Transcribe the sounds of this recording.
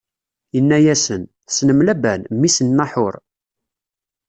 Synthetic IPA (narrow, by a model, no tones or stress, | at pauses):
jənːæjæsənθsnəmlæbænmːisənːaħʊɾ